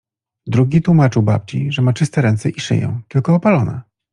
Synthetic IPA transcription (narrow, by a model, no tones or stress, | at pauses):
d̪ɾuɡʲit̪wumat͡ʂɘwba̰p̚t͡ɕḭʐɛmat͡ʂɘst̪ɛɾɛnt̪sɛʔiʂɘ̰jɛ̰̃w̃t̪ɘlkɔːpalɔna̰